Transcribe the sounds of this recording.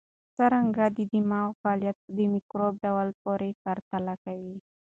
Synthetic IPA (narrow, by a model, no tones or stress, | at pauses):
saɾaŋɡadidimaokaliat̪̚dimikɾɔb̚dawalpɔɾɛkart̪alakai